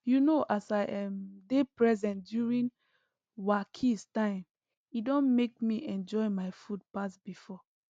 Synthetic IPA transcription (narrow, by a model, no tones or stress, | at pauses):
junoʔasaɪʔɛ̃mdepɹɛzɛ̃ndjuɹĩn | wakʰistãɪ̃m | idɔ̃nmek̚miʔɛ̃nd͡ʒɔɪmaɪfud̚pasbifɔ